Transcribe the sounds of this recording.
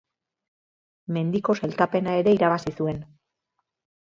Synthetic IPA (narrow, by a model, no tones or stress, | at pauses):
me̞nd̪iko̞selt̪ape̞nae̞ɾe̞iɾaβasisue̞n